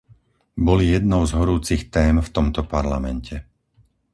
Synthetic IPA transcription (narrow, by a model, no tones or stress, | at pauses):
bɔlijɛd̪nɔʊzɦɔɾuːt͡sixt̪ɛːmft̪ɔmt̪ɔpaɾlamɛncʰɛ